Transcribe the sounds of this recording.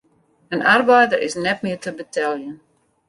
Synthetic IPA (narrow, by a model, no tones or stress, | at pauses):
ənarbɛjdəɾɪ̰snɛtmɪərtəbətʰɛlˠjən